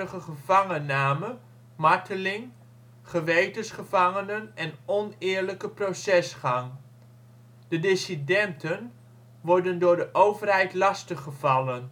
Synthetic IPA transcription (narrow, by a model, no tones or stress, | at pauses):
əχəχəv̥ɑŋənaːmə | mɑɹtʰəlɪŋ | χəʋejtəsχəvɑŋənənɛnɔnɪːɹləkəprosɛsχɑŋ | d̥ədɪsidɛntən | ʋɔɹdəndʊːɹdəʔowvərɦɛjtlɑstəχəvɑlən